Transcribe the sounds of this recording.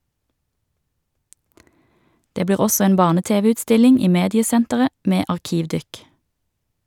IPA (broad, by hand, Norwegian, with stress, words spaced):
ˈdeː ˈbliːʁ ˈɔsɔ ˈeːn ˈbɑːʁnəˌteːʋəʉːtˌstɪlɪŋ ˈiː ˈmeːdɪəˌsɛntəʁə ˈmeː ɑʁˈkiːʋˌdʏk